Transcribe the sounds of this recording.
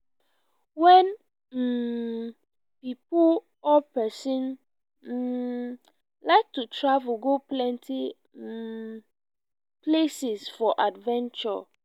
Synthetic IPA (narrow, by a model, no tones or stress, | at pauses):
wɛ̃n | m̩ | pipu | ɔpɛsĩn̩ | laɪk̚tʰutʰɹavʊɡoplɛ̃ntʰi | plesɪsfɔʔadvɛ̃nt͡ʃɔ̰